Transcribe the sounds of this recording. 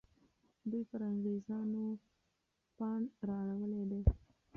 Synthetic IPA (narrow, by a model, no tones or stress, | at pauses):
d̪epaɾaŋɣezɑno | pɑɳɾɑaɽawəled̪e